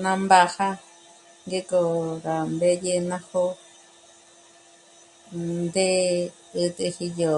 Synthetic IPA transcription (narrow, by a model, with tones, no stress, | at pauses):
nã˧mba˧ha˦ | ŋɡe˦ko˧ɾa˨mbe˦je˧nã˧ho˦ | nd̪e˦ | ɨ˧t̪e˧hi˧jo˨